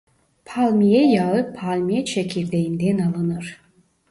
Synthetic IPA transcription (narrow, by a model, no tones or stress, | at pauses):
pʰalʲˠmijɛjaɯpʰalʲˠmijɛt͡ʃʰekʰʲiɾd̪ejind̪ɛnalˠɯnɯɾ̥